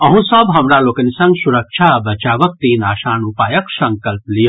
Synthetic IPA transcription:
ɐɦũsəbɦɐmɾaloːkənisɐ̃ŋɡsuɾəkʃʰabɐt͡ʃaːʋək̚t̪iːnaːʃaːnupaːjəksɐ̃ŋkəlplijo

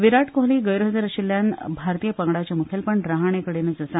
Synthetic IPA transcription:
ʋiɾaʈkoɦliːɡəjɾəɦd̪əɾəɕilːjanbʱaɾt̪ijəpəŋɡɽat͡ɕamukʰelpəɳɖɾaɦaɳ̃ekəɽened͡zəsa

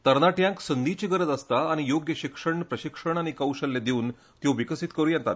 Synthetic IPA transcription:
t̪əɾnaʈjãŋksənd̪it͡ɕiɡəɾəd͡zast̪aːɽ̃ijoɡjəɕikʂəɳpɾəɕikʂəɳ̃aɽ̃ikəwɕəlːed̪euːn | t̪jõʋikəsit̪kəɾujent̪a̰t̪

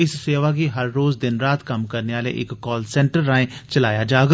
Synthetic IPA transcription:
ɪsseːʋaːɡiːɦəɾːoːzd̪ɪnɾaːt̪kəmkəɾneːaːlḛːʔɪkːɔːlsɛ̃ːɳʈəɾːaːẽːt͡ʃəlaːjaːd͡ʒaːɡ

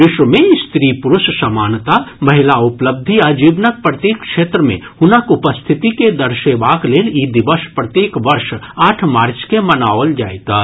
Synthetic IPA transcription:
mɪʃwəmẽɪst̪ɾiːpʊɾʊʃsɐmaːnt̪amɐɦɪlaʊpləb̚d̪ʱiad͡ʒiːʋnək̚pɾət̪iːkʃeːt̪ɾəmḛ̃ | hʊnəkʊpəst̪ʰɪt̪iked̪əɾʃeʋaːkleːliːd̪ɪʋəʃpɾət̪iːkʋəɾʃaːʈʰmaːɾt͡ʃkemənaːʋəld͡ʒaːet̪a

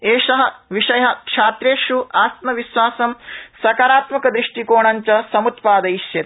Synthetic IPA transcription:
eːʃɐɦɐ̆ʋiʂɐjɐɦɐ̆kʂaːt̪ɾeːʃuaːst̪mɐʋiʃʋaːsɐmsɐkaɾaːt̪mɐkɐd̪ɾiʂʈikoːɳɐɲt͡ʃɐsɐmut̪paːd̪ɐiʃjɐt̪

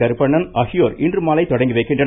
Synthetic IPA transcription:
ɐɾɯpːɐɳːɐnɐhɪjoːɾɪndrɯmaːlɐɪt̪ːɔɽɐŋɡɯʋɐɪkːɪndrɐ

